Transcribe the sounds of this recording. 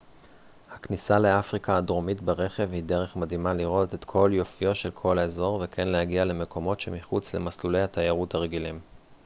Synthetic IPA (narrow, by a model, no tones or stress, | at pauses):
haknisale̞afʁikaːdʁo̞mitbeʁe̞χe̞vhideʁe̞χmadhimaliʁo̞te̞t̪kʰo̞ljo̞fijo̞tʃe̞lkʰo̞lezo̞ʁvekʰenlehaɡiale̞me̞kʰo̞mo̞tʃe̞miχut͡sle̞̰maslule̞jhat̪ajaʁuthaʁeɡilim